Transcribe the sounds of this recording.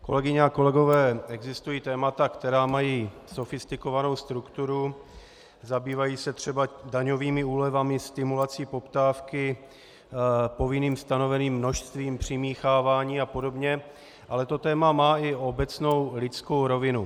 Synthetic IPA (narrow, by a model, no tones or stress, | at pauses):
ko̞̰lɛɡɪɲɛako̞lɛɡo̞vɛːɛɡzɪst̪ujiːt̪ɛːmat̪akt̪ɛɾaːmajiː | so̞fɪst̪ɪko̞vano̞wst̪ɾukt̪uɾu | zabiːvajiːsɛt̪r̝̥ɛbadaɲo̞viːmɪuːlɛvamɪst̪ɪmulat͡siːpo̞pt̪aːfkɪ | po̞vɪniːmst̪ano̞vɛniːmːno̞ʃst̪viːmpr̝̥ɪmiːxaːvaːɲiːapo̞do̞bɲɛ | ʔalɛt̪o̞t̪ɛːmamaːɪʔo̞bɛt͡sno̞wlɪt͡sko̞wɾo̞vɪnu